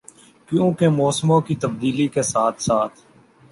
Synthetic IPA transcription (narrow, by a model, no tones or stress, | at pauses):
kjũːkemɔːsmõkit̪əb̚d̪iːlikesaːt̪ʰsaːt̪ʰ